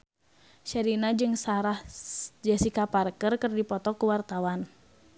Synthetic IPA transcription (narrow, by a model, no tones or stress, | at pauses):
ʃaɾinad͡ʒɨŋsaɾahd͡ʒasikaparkərkərdipɔt̪ɔkuwart̪awan